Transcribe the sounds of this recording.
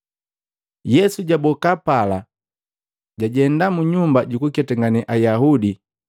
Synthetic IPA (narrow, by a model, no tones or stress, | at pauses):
jɛsuɟabɔkapala | ɟaɟɛndamuɲumbaɟukukɛtaŋɡanɛʔajaɦudi